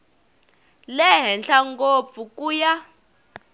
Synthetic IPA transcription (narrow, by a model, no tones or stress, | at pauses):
lɛɦɛnɬaŋɡop̪fukʼuːja